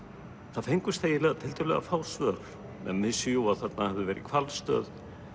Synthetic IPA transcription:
θaðfejŋkʏst̪θejɪlɛːɣðat̪ʰɪlt̪œlɛ̰ɣa̰faːwsvœɾ̥ | ɛ̰nvɪsʏjuwaθɛt̪nahɛvðʏvɛːɾʔɪ̰kʰvalst̪œ̰ːð

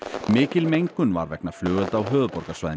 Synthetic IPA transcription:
mɪːcɪlmejŋkʏnva̰ɾvɛknaflœːɣʏlt̪awɦœːðʏpɔɾkasvaːjðɪ

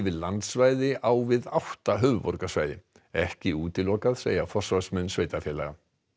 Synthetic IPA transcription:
vɪðlant̪svaːjðɪʔawvɪðawht̪aɦœvvɔɾkasvaːjðɪ | ɛhcɪuːt̪ɪlɔːkaðseːjafɔr̥svasmɛnːsveːjt̪afjɛːla̰ɣa

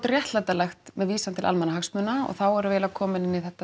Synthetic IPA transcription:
t̪rjɛht̪lat̪alɛxt̪mɛðviːsant̪ɪla̰lmɛnaɦaksmʏːnaɔ̰ɣθawɛɾʏvɛːlavkʰɔːmɪnɪnːiθɛht̪ːa

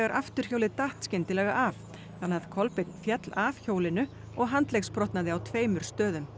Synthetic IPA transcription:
ɣaɾʔaft̪ʏɾ̥çoːwlɪt̪aht̪scɪnt̪ɪlɛːɣaʔaf | θanːaðkʰɔlpɪt̪nfjɛt̪lavçoːwlɪnʏ | ɔɣɦant̪lexspɾɔht̪naðɪawt̪ʰveːjmʏɾ̥st̪œːðʏm

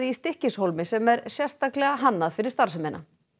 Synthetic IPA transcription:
ðɪist̪ɪhcɪshowlmɪsɛmɛɾsjɛ̥st̪aklɛɣaɦanːaðfɪɾɪ̥ɾ̥st̪aɾ̥sʏmɛna̰

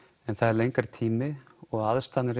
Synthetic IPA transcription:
ɛnθaðɛɾlejŋkaɾ̥t̪ʰiːmɪɔɣaðst̪anɪɾ

